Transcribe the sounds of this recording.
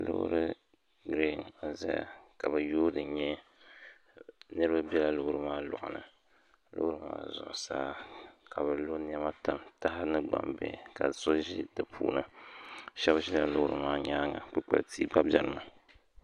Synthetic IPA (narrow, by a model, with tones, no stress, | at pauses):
lɨ̰˦ɾɨ˦ | ɡɾe˦˨n˨za̰˦ja̰˨ka˨bɨ˨joː˦dɨ˨ɲɛ˦ | nɨ˦ɾɨ˦ba˦bɛ˦la˨lʊ˦hɾɨ˦maː˦lʊ̰˨ʔʊ̰˨nɨ̰˨ | lɨ̰˦hɾɨ˦ma̰ː˦zʊ̰˨ʔʊ˨saː˦ka˨bɨ˨lo˦n˦ɛ˦ma˦ta˨mta˦ɦɪ˦nɨ˦ɡ͡ba̰˨mbɛ̰˨ka˨so˦ʒi˦dɨ˨pʰṵː˦˨nɨ˦ | ʃɛ˦bʒi˦la˨lʊ˦hʊ˦ɾɨ̰˨maː˦ɲaː˦ŋa̰˨k͡pɨ˦k͡pɛ̰˨ltʰi˦ɡ͡ba˦bʲɛ˨lɨ˦ma˨